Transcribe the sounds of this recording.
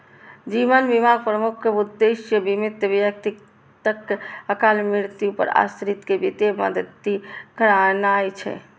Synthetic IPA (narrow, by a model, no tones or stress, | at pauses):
d͡ʒiʋənbimaɡ̚pɾəmukʰud̪ːesjəbimit̪ːəbjək̚t̪ik | t̪əkəkalmiɽt̪jupə̰ɾa̰sɾit̪kebit̪emə̰d̪əd̪ikʰəɾanajt͡ʃʰɛ̰